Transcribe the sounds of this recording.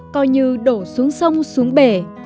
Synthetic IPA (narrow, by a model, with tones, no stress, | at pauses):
kɔ˧jɲɨ˧ɗo˧˩su˨˦əŋsə˧wŋ͡msu˨˦əŋɓe˧˩